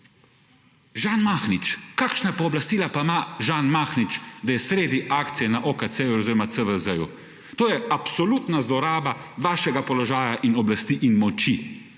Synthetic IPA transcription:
ʒaːnmaxnit͡ʃkaːkʃnapɔːblast̪iːlapamaʒaːnmaːxnit͡ʃd̪ajɛsɾeːd̪iʔaːkt̪sijɛnaʔokat̪sejuɔziːɾɔmat̪əʋəzəjṵ | t̪oːjɛapsɔlut̪nazlɔɾaːbaʋaːʃɛɡapɔlɔʒaːjaʔinɔblast̪iʔinmɔt͡ʃi

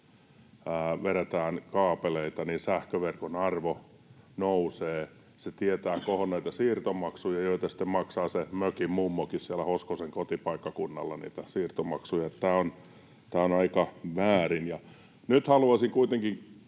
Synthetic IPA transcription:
ʋeɾet̪æːnkɑːpeleit̪ɑninsæhkøʋerkonɑrʋo | nouseː | set̪iet̪æːkohonnæit̪ɑsiːrt̪omɑksujɑjoit̪ɑsi̥t̪ːemmɑksɑːsemøkimmumːokissielæhoskoseŋkot̪ipɑikːɑkunːɑ̰lːɑnḭːt̪æsiːrt̪omɑksujɑet̪t̪æːon | t̪æːonɑikɑʋæːrinjɑ | nyt̪hɑluɑsiŋkuit̪eŋkiŋ

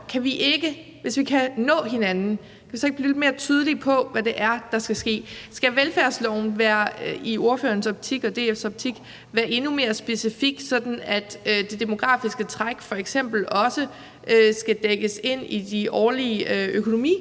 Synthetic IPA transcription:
kʰæʋiʔeɡ̥ə | ʋe̝sʋikʰænɔ̰̽ːɦe̝nænn̩ | kʰæʋisɒ̽eɡ̥b̥liled̥me̝ːɐt͡sʰyːð̞ˠəlipʰɒ̽ʋæd̥e̝ʔæɐd̥ɑ̈sɡ̥æsɡ̥e̝̰ːsɡ̥æʋelfæɐ̰slɒʊ̰n̩ʋæːɐioɐfø̰ːɐnsɒ̽b̥̚t͡sʰiɡ̥ɒ̽d̥e̝̰ːefsɒ̽b̥̚t͡sʰiɡ̥ | ʋæːɐʔe̝nume̝ːɐsb̥e̝sifiɡ̥̚sɒ̽d̥n̩æd̥ød̥e̝d̥e̝mo̝ɡ̥ʁɑ̰̈ːfisɡ̥ət͡sʰʁaɡ̥fɒ̽eɡ̥sem̰b̥l̩ɒ̽sə | ʔøsɡ̥æd̥eɡ̥əse̝n̰id̥iʔɒːliəøkʰo̝no̝mḭː

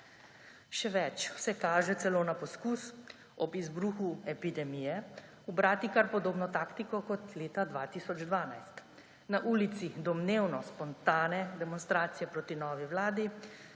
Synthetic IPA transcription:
ʃɛʋɛt͡ʃsɛkaːʒɛt̪sɛloːnapɔskus | ɔbizbɾuːxuɛpid̪ɛmijɛ | ubɾaːt̪ikaɾpɔd̪oːbnɔt̪aːkt̪ikɔkɔt̪leːt̪ad̪ʋaːt̪isɔd͡ʒd̪ʋaːnajst̪ | naʔuːlit̪sid̪ɔmneːwnɔspɔnt̪aːnɛd̪ɛmɔnst̪ɾaːt̪sijɛpɾoːt̪inɔːʋiwlaːd̪i

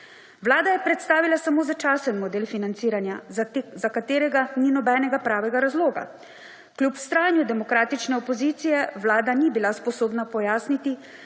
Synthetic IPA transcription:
ʋlaːd̪ajɛpɾɛt̪st̪aːʋilasamoːzat͡ʃaːsənmɔd̪eːlfinant̪siːɾanjazakat̪eːɾɛɡaninɔbɛːnɛɡapɾaːʋɛɡaɾazloːɡa̰ | kljupw̥st̪ɾaːnjud̪ɛmɔkɾaːt̪it͡ʃnɛɔpɔziːt̪sijɛʋlaːd̪anibilaspɔsoːbnapɔjaːsnit̪i

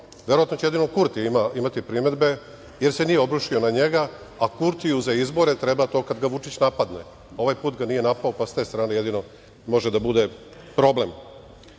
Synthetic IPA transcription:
ʋe̞ɾoat̪not͡ɕejeino̞kuɾt̪iimaimat̪ipɾime̞d̪be̞ | jeɾse̞nijeo̞bɾuʃio̞naɲe̞ɡa | akuɾt̪iuzaizbo̞ɾe̞t̪ɾe̞bat̪o̞ːkad̪ɡaʋut͡ʃit͡ɕnapad̪ne | o̞ʋajpuːt̪ɡanije̞napaopast̪e̞st̪ɾaːneje̞d̪ino̞ | mo̞ʒed̪abud̪e | pɾo̞ble̞m

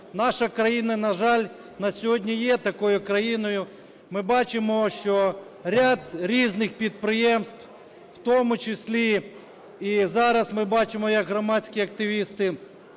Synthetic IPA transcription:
nɑʃɐkɾɐjinɐnɐʒɑlʲ | nɐsʲɔɦɔdʲnʲijɛt̪ɐkɔjʊkɾɐjinɔjʊ | mɪbɑt͡ʃɪmɔʃt͡ʃɔ | ɾʲad̪ɾʲiznɪxpʲid̪̚pɾɪjɛmst̪w | wt̪ɔmʊt͡ʃɪsʲlʲi | izɑɾɐsmɪbɑt͡ʃɪmɔjɐkɦɾɔmɑtʲt͡sʲkʲiɐk̚t̪ɪʋʲist̪ɪ

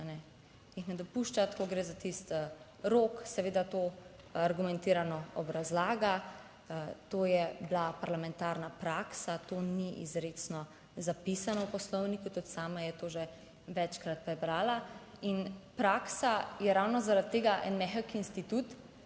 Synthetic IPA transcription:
anɛ | jixnɛd̪ɔpuʃt͡ʃat̪koɡɾeːzat̪ist̪ | ɾoksɛʋeːd̪at̪o | aɾɡumɛnt̪iːɾanɔɔbɾazlaːɡa | t̪oːjɛblapaɾlamɛ̃nt̪aɾnapɾaːksat̪oniʔḭzɾet͡snɔ | zapisanɔwpɔslɔwnikut̪ut̪saːmajɛt̪oːʒɛ | ʋɛt͡ʃkɾat̪̚pɾɛbɾaːlainpɾaːksajɛɾawnɔzaɾat̪ːeːɡaʔɛ̰nmɛxəkiinst̪it̪ut̪

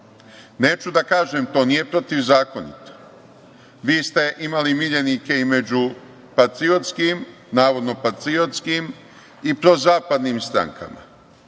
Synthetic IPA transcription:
ne̞ːt͡ʃud̪akaːʒemt̪o̞ːniːje̞pɾo̞t̪iʋzaːko̞nḭt̪o̥ | ʋiːst̪e̞ʔimalimiʎenike̞ime̞d͡ʑu | pat̪ɾiot̪skim | naːʋo̞d̪no̞pat̪ɾio̞t̪skim | ipɾo̞zaːpad̪niːmst̪ɾa̰ŋkʰa̰ma̰

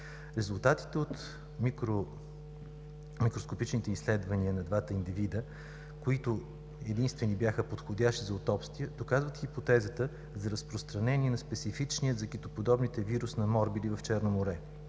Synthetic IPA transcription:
ɾɛzʊlˠt̪at̪i̥t̪ɛot̪ | mikɾo | mikɾoskopit͡ʃnit̪ɛislɛd̪vɐniənɐd̪vat̪əind̪ivid̪ə | koit̪ʊ | ɛd̪inst̪vɛnibjaxəpot̪xod̪ʲaʃt̪izɐot̪ɔpst̪vijəd̪̥okazvət̪xʲipot̪ɛzət̪ə | zɐɾɐspɾost̪ɾɐnɛniɛnɐspɛt̪sifit͡ʃniət̪zɐkit̪opod̪ɔbnit̪ɛviɾusnɐmɔɾbid̪ivɐft͡ʃɛɾnomoɾɛ

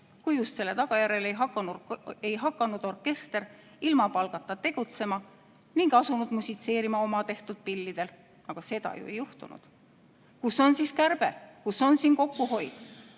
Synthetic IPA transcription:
kujust̪se̞lːe̞t̪ɑɡ̥ɑjæɾe̞le̞jɦɑkːˑɑnue̞jɦɑkːˑɑnud̪̥o̞rke̞st̪e̞r | ilmɑpɑlɡ̥ɑt̪ˑːɑt̪e̞ɡ̥ut̪se̞mɑ | niŋɡɑsunud̪̥musʲit̪se̞ːɾimɑo̞mɑt̪e̞ht̪ud̪̥̚pilːid̪̥e̞l | ɑɡ̥ɑse̞d̪̥ɑ̰jṵejuht̪unṵd̪̥ | kuso̞nsiːskærb̥e̞kuso̞nsiːnko̞kːuɦo̞jd̪̥

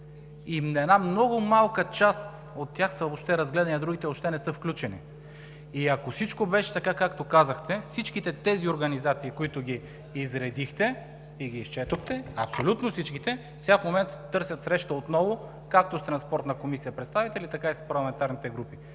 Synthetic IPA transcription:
imnɛnamnɔɡʊmalˠkət͡ʃas | ot̪ːjaxsəvoʃt̪ɛɾɐzɡlɛd̪ɐniɐd̪ɾuɡʲit̪ɛoʃt̪ɛnɛsɤfklʲut͡ʃɛni | iɐkosit͡ʃkobɛʃɛ̥t̪ɐkakakt̪okazəxt̪ɛfsit͡ʃkit̪ɛt̪ɛzioɾɡɐnizat̪siːkoit̪ʊɡʲiː | zɾɛd̪ixt̪ɛ | iɡiːst͡ʃɛt̪oxt̪ɛɐpsolʲut̪nofsit͡ʃkit̪ɛ | fsɛafmomɛnt̪t̪ːɤɾsʲɐt̪sɾɛʃt̪əot̪nɔvʊ | kak̚t̪ost̪ɾɐnspɔɾt̪nəkomisijəpɾɛt̪st̪avit̪ɛlʲit̪ɐkaispɐɾlˠɐmɛnt̪aɾnit̪ɛɡɾupi

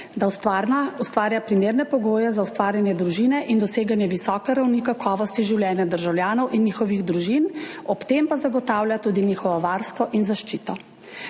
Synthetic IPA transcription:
d̪aust̪ʋaːɾjapɾimeːɾnɛpɔɡoːjɛzaust̪ʋaːɾjanjɛd̪ɾuʒinɛʔind̪ɔseːɡanjɛʋisɔːkɛɾawnikakʰɔːʋɔst̪iʒiwljɛːnjad̪əɾʒawljaːnɔwʔinːiːxɔʋiɣd̪ɾuʒinɔpt̪empazaɡɔt̪aːwljat̪uːd̪iniːxɔʋɔʋaːɾst̪ʋɔʔinzaʃt͡ʃiːt̪ɔ

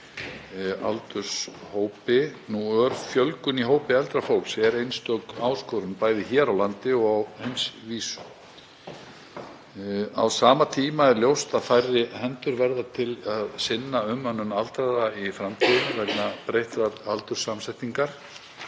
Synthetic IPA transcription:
a̰lt̪ʏɾ̥shoːwpɪnuœɾfjœlkʏniɦoːwpɪɛlt̪ɾafowlsɛɾejnst̪œkaːwskɔɾʏnpaːjðɪçɛːɾawlant̪ɪɔɣawhejnsviːsʏ̥ | a̰wsaːmat̪ʰiːmaɛɾljowst̪aðfajrːɪhɛnt̪ʏɾvɛɾðat̪ʰɪlaðsɪnːaʏmːœnːʏnalt̪ɾaðaifɾamt̪ʰiðʏnvɛknapɾejht̪ɾaalt̪ʏɾ̥sːamsɛjht̪iŋkaɾ̥

